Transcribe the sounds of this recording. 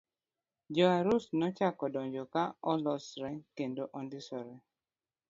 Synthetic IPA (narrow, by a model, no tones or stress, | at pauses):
d͡ʒɔaɾusnɔt͡ʃakɔdɔɲd͡ʒɔkaɔlɔsɾɛŋkendoʔɔndɪsɔɾɛ